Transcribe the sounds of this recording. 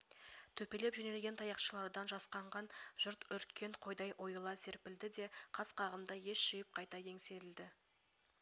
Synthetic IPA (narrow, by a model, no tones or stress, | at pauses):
t̪ʰɵpe̞le̞pʒɵne̞lɡʲe̞nt̪ʰɑjɑqʃəlˠɑɾd̪ɑnʒɑsqɑɴʁɑnʒ̥ʊɾt̪ʏɾkʲe̞ɴqʰo̞jd̪ɑjʔo̞jlˠɑse̞ɾpɪld̪ɪd̪e̞qʰɑsqʰɑʁəmd̪ɑje̞ʃʃijɪp̚qʰɑjt̪ɑje̞ŋse̞t̪ɪld̪ɪ